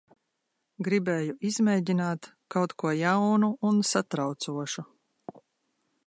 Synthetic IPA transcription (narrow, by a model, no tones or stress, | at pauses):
ɡɾibeːjuʔizmɛjɟinaːt̪ | kawt̪kuɔjawnuːnsat̪ɾawt̪suɔʃu